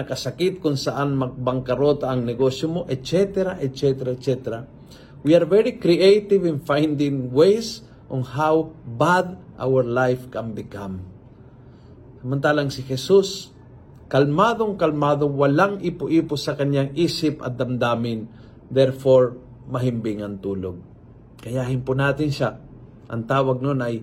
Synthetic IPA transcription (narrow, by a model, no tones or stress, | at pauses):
nɐkɐsakɪt̪̚kʊŋsɐʔanmɐɡ̚bɐŋkɐɾoːt̪aːɐŋnɛɡosjomoʔɛt̪̚t͡ʃɛt̪ɛɾaʔɛt̪̚t͡ʃɛt̪ɛɾat̪̚t͡ʃɛt̪ɛɾa | wiaɾvɛɹikɾiʔejt̪ɪvɪnfajnd̪ɪŋwejs | ʔoŋhawbad̪ʔa̰wɛɹlajfkambɪkam | sɐmant̪aːlaŋsɪhɛsus | kɐlmaːd̪oŋkɐlmaːd̪oŋwɐlaŋʔɪpʊʔiːpʊsɐkɐɲaŋʔiːsɪpɐ̰t̪̚d̪ɐmd̪aːmɪn | d̪ɛɹfoɹ | mɐɦɪmbɪŋɐŋt̪uːlo̰ɡ̚ | kɐjahɪnpʊnaːt̪ɪnʃa | ʔɐ̰ŋt̪aːwɐɡ̚nonɐj